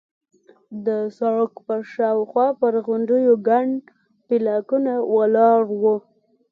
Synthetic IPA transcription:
d̪əsɑkpəʃɑwxwɑpəɾɣʊɳɖəjoɡaɳɖ | pilɑkunawalɑɾwu

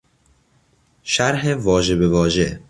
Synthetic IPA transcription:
ʃæɾɦevɒːʒe̞bevɒːʒḛ

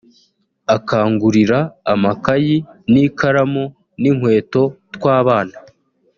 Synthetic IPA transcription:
akaːŋɡuɾiɾaːmakajinikaɾamo | niŋ̥we̞ːto̞tkwaːβaːna

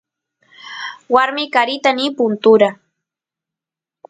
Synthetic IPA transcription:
waɾmɪkaɾɪt̪anipʊnt̪ʊɾa

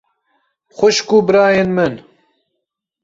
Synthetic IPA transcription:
xʷʊʃkubɨɾɑːjenmɨn

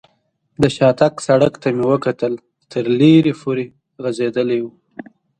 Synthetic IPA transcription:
d̪əʃɑt̪aksaɽəkt̪amewəkat̪əl | t̪ʰəɾleɾepʰoɾe | ɣazed̪əlewu

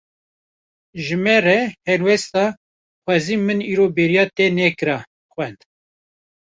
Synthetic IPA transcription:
ʒɨmɛrɛhɛɾwɛst̪ɑ | xʷɑːziːmɨniːɾobeɾijɑːt̪enɛkɨɾɑ | xʷwɛnd̪̥

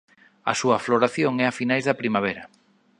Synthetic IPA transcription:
ɐ̰suɐfloɾaθjoŋɛafinajzðɐpɾimaβ̞eɾɐ

